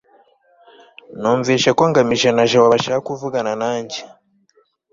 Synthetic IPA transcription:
noːɱviːʃekwaːŋɡamiʒenaʒewaβaʃakuvuɡananaːɲɟe

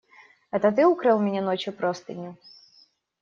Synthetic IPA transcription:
ɛt̪ət̪ɨukɾɨlˠmʲɪnʲɛnot͡ɕjʊpɾost̪ɨnʲʊ

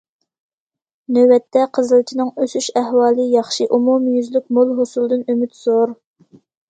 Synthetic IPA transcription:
nøwɛt̪ʰːɛqʰəzɨlˠt͡ʃʰinɨŋøsyʃæhwɑːlˠɨjɑχʃiʔumumjyzlyk̚ʲmolˠɦosulˠd̪ɨnømyt̪z̥oɾ

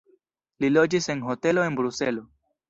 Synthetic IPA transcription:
lilo̞d͡ʒise̞nɦo̞te̞lo̞e̞nbɾuse̞lo̞

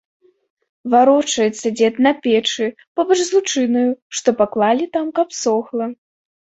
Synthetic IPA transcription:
vaɾɔt͡ʂɐjɛt̪sːɐd͡zʲɛt̪nɐpʲɛt͡ʂɨ | pɔbɐʐzlˠut͡ʂɨnɐjuʂt̪ɔpaklˠalʲit̪amkɐpsɔxlˠɐ

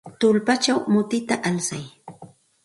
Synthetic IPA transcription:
t̪ʊlpat͡ʃawmʊt̪ɪt̪aʔalsaj

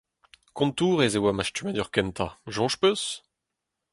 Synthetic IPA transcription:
kɔ̃nt̪uːʁezewamaʃtymad̪yʁkɛnt̪ʰaʒɔ̃ʃpøs

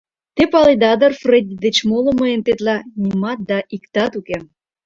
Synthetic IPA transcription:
t̪epɑlid̪ɑd̪ərfred̪ʲid̪et͡ɕmolə̆mɤjent̪et̪lɑnʲimɑt̪̚d̪ɑʔikt̪ɑt̪uke

